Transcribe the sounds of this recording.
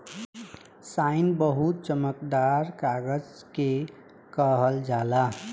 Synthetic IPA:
saɪnbəɦut̪̚t͡ʃəməkd̪aɾkaɡəd͡ʒke | kəɦəld͡ʒala

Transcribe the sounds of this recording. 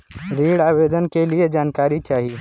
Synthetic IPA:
ɾiːɽaːʋeːd̪ənkelied͡ʒaːnkaːɾit͡ʃaːɦi

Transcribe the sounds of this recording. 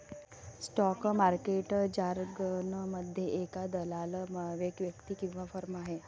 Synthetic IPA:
sʈɔkmaɾkeʈd͡ʑaɾɡənəməd̪ʱːjeʔekad̪əlaləmʋekʋjəkt̪iːkĩw̃ʋafəɾmaɦe

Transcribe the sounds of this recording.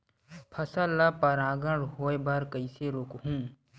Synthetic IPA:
pʰɐsəlapɐɾaːɡəɳɽɦoːebaɾkəiseɾoːkɦũː

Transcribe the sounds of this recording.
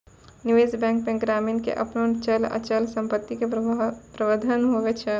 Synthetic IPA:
niʋeːzbɛ̃ːŋk̚mẽɡɾaːminkḛʔɐ̰pnont͡ʃəlɐ̰t͡ʃəlsə̃mpət̪ːikepɾəʋəd̪ʱənɦoɡet͡ʃʰɛ

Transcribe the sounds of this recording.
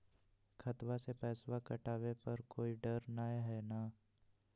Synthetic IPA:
kʰɐt̪ʋasepɛːswakɐʈaːʋepɐɾkoːiɖɐɾnaːeɦɛnaː

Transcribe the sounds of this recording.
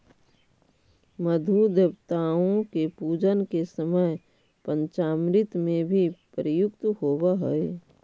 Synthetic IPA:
məd̪ʱud̪əbt̪aːõkepuːd͡ʒənkesəməj | pə̃ɲt͡ʃaːmɾɪt̪mẽbʱipəɾəjʊkt̪hoːbaɦə̰e

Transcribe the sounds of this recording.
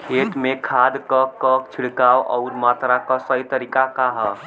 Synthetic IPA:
kʰeʈmekʰad̪kəkɔkt͡ʃʰiɽkawʔɔ̰ʊɾmat̪ɾakəsəjt̪əɾikakaɦə

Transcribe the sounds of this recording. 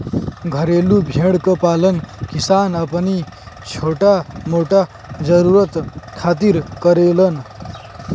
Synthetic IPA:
ɡʱəɾelubʱeɽkəpalənkisanəpənit͡ʃʰoʈamoʈa | d͡zəɾuɾət̪kʰat̪iɾkəɾelən

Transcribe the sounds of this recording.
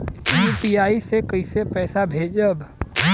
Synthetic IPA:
juːpiaːisekəisepɛːsabʱeːd͡ʒəb

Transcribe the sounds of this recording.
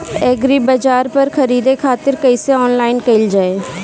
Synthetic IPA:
ɛːɡɾibəd͡ʒaːɾpəɾkʰəɾiːd̪ekʰaːt̪ɪɾkəiseɔːnlaːɪnkɐɪld͡ʒaːeː

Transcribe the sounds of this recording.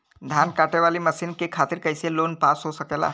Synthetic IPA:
d̪ʱankaʈeʋaːliməsinkekʰaːt̪iɾkəjseloːnpasɦosəkela̰ː

